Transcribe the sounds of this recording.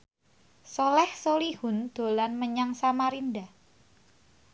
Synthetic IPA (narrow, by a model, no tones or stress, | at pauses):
solɛhsolihʊnd̪̥o̤lanməɲaŋsamaɾinda